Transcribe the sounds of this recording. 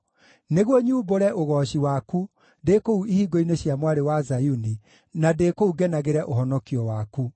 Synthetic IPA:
neɣwɔɲuːboɾɛʔoɣɔɕiwaku | dekouʔihiɡoineɕjamwaɾewazajuni | nadekouɡɛnaɣeɾɛʔoɦɔnɔkiɔwaku

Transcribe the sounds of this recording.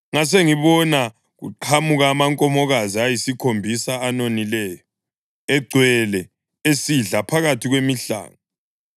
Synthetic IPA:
ŋas̬eŋiβɔna | ɣṵǃʰamuɣaːmaŋkʼɔmɔɣaziajisikʰombʱisaːnonilɛːjɔ | ɛɡ͡ǀʱwɛlɛ | esiɮapʰaɣatʰiɣwemiɬa̰ːŋa

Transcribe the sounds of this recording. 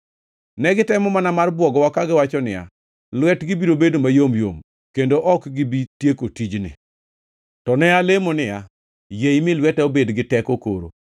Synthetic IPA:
nɛɡɪtɛmɔmanamarbwɔɡɔwakaɡɪwat͡ʃɔnɪja̰ | lwɛtɡɪbiɾobedomajomjo̰m | kendoʔɔkɡɪbitjekotid͡ʒnɪ̰ | tɔnɛalemonɪja | jejmɪlwɛtɛobedɡɪtɛkoko̰ɾo̰

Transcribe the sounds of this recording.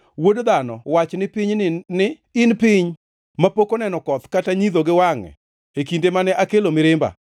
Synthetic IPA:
wodd̪anɔ̰wat͡ʃnɪpɪɲnɪ | ɪnpɪɲ | mapokonɛnɔkɔt̪kataɲiðoɡɪwaŋɛ̰ | ekindemanɛʔakelomɪɾɪmba̰

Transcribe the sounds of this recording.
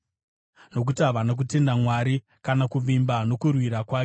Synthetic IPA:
no̞k̬utiaʋanak̬ute̞ndamwaɾi | kanakuʋimbano̞kurwiɾakwaːke

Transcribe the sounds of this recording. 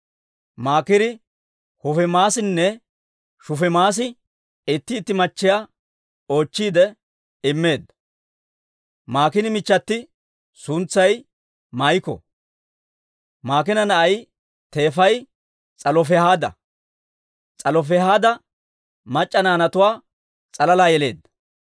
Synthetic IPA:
maːkɪɾɪ | hʊfɛmaːsɪnːɛ | ʃʊfɛmaːs̬ɪ | ɪt̪ːɪːt̪ːɪmɐt͡ʃːɪja | o̞ːt͡ʃːiːd̪ɛ | ɪmːe̞ːd̪ɐ | maːkɪnɪmɪt͡ʃːɐt̪ːɪ | sʊnt͡sːɐj | majɪkɔ̰ | maːk̬ɪnɐnɐʔɐj | t̪e̞ːfɐj | t͡sʼɐlɔfɛhaːd̪ɐ̰ | t͡sʼɐlɔf̬ɛhaːd̪ɐ | mɐt͡ʃʼːɐnaːnɐt̪ʊwaː | t͡sʼɐlɐlaːjɛle̞̰ːd̪ːɐ̥

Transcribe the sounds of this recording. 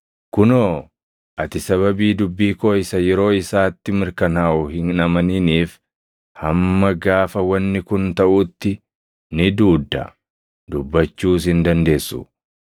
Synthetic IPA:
kʊnoː | ʔɐt̪ɪsɐβɐbiːd̪ʊbːiːkoːɪsɐjɛɾo̞ːɪsaːt̪ːɪmɪɾkɐnaːʔʊhɪnnɐmɐniniːf | hɐmːɐɡaːfɐwɐnːɪkʊnt̪ɐʔʊt̪ːɪ | nɪd̪uːd̪ːɐ̰ | d̪ʊbːɐt͡ʃːuːs̬hɪnd̪ɐnd̪e̞ːsːʊ̰

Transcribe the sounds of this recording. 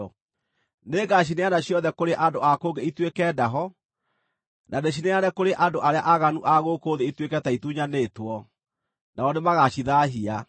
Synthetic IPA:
ɔ | neɡaɕ̬ineanaɕjɔðɛkoɾeʔadoakoŋɡeitwekɛːdaɦɔ | nʔaneɕ̬ineanɛkoɾeʔandoʔaɾeaʔaɣanuʔaɣoːkoðeitwekɛtaituɲanetwɔ | naɔnemaɣaɕiðaɦia

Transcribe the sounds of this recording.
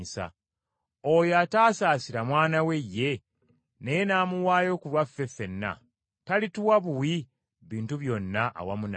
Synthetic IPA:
isa̰ | ojataːsaːsiɾamwaːnawe̞jːe̞ | nejenaːmuwaːjo̞ːkulwafːe̞fe̞nːa̰ | talituwaβuwi | βiːntuβjo̞nːaʔːwamuna

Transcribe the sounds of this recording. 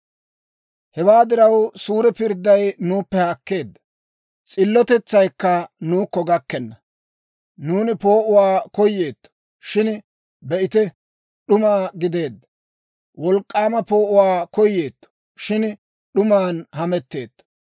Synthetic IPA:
hɛwaːd̪ɪɾɐwsuːɾɛpɪɾd̪ːɐjnuːpːɛhɐkːe̞ːd̪ːɐ̥ | t͡sʼɪlːɔt̪ɛt͡sːɐjkːɐnuːkːɔɡɐkːɛnːɐ | nuːnɪpo̞ːʔʊwaːkɔjːe̞ːt̪ːɔ̥ | ʃɪn | bɛʔɪt̪ɛ | ɗʊmaːɡɪd̪e̞ːd̪ːɐ | wɔlkʼːaːmɐpo̞ːʔʊwaːkɔjːe̞ːt̪ːɔ̥ | ʃɪn | ɗʊmaːnhɐmɛt̪ːeːt̪ːɔ̥

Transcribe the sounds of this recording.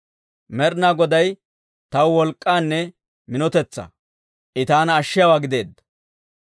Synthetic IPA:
mɛɾnaːɡɔd̪ɐj | t̪ɐwwɔlkʼːaːnːɛ | mɪnɔt̪ɛt͡sːɐ̰ | ʔɪt̪aːnɐːʃːɪjɐwaːɡɪd̪e̞ːd̪ːɐ̥

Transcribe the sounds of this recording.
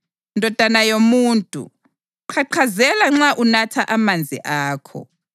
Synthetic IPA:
ndʱɔd̥ʱanajomuːntʼṵ | ǃʰaǃʰazɛlaŋ͡ǁaʔunatʰaʔamand͡zʱḭʔaːkʰɔ̰

